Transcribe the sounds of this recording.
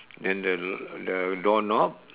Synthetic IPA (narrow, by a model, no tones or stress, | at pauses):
dɛ̃ndədədɔnɔp̚